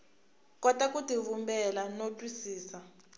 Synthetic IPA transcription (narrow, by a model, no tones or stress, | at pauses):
kɔtakʼutivumbɛlanotʼwisiːsa